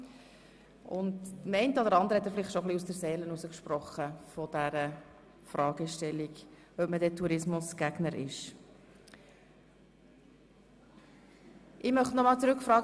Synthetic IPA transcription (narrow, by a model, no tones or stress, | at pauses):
ʊndmɛɪntɔdəɾɑnd̪əɾhɛtdəɾfɪlɪχtʃoχliusd̥ɛɾsɛːlənusəkʃpɾɔχəfɔd̥æɾə | fɾɑːɡ̥əʃtɛlːiɡ | œpmədɛtʰuɾɪsmʊsɡ̥æɡnəɾɪ̰ʃ | ʔɪmœχtnɔmɑːlt͡sɾʉkfɾɑːɡ